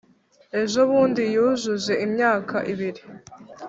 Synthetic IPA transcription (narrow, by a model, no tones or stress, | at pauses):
e̞ʒoβuːndijuʒuze̞ʔimɲaːkʰaʔiβiɾi